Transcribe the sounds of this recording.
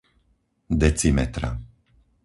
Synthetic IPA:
d̪ɛt͡simɛt̪ɾa̰

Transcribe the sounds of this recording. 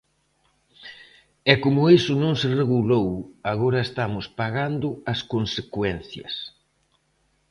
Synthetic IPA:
ɛkomʊesʊnõŋsereɣulowaɣoɾɐest̪amʊspaɣand̪ʊɐskonsekwɛnθjɐ̰s

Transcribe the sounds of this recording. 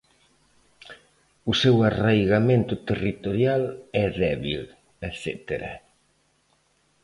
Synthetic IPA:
ʊsɛwarajɣamẽnt̪ʊt̪erit̪oɾjalɛðɛβḭl | ɛsɛ̰t̪eɾa̰

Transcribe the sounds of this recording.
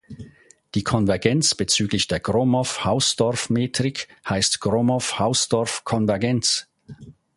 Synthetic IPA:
d̥iːkʰɔnvɛɐɡɛnt͡sb̥ət͡syːɡlɪçd̥eːɐɡ̥ʁoːmɔfhaʊsd̥ɔɐfmeːtʁ̥ɪkhaɪstɡ̥ʁoːmɔfhaʊsd̥ɔɐfkʰɔnvɛɐɡɛnt͡s

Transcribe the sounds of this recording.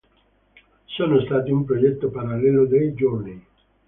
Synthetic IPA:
soːnost̪aːt̪iumpɾod͡ʒɛt̪ːopaɾalːɛːlod̪ejd͡ʒorni

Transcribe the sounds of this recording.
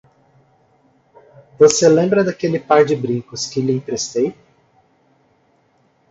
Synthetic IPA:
voselẽmbɾɐd̪akelɪpaɾd͡ʒɪbɾĩkʊskɪlɪĩp̪ɾest̪ej

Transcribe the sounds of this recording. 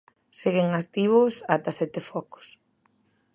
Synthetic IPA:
seɣeŋak̚t̪iβʊsat̪asɛt̪efɔko̥s

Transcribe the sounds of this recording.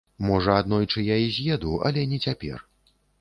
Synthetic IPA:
mɔʐɐad̪nɔjt͡ʂɨjaizʲjɛd̪uɐ̰lʲɛnʲɛt͡sʲapʲɛ̰r

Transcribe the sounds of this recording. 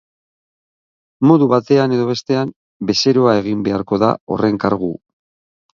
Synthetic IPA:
mo̞ðuβat̪e̞ane̞ð̞o̞βe̞st̪e̞am | be̞se̞ɾo̞ae̞ɣ̞imbe̞aɾko̞ða̰o̞̰re̞ŋkaɾɣ̞ṵ

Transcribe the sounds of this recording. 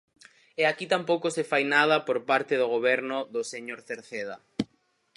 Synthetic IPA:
eakit̪ampowkosefajnað̞ɐpoɾpaɾt̪ɪðʊɣ̞oβ̞ɛɾnʊðʊseɲoɾθeɾθeða

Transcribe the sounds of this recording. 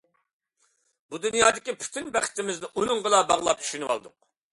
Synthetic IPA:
bud̪unjɑːd̪ɪkʲipʰy̥t̪ʰɪnbæχɪ̥t̪ɪmɪznɪʔunʊŋʁəlˠɑbɑʁlˠɑ̰p̚t͡ʃʰy̥ʃynɨwɑ̰lˠd̪ʊ̰q̚

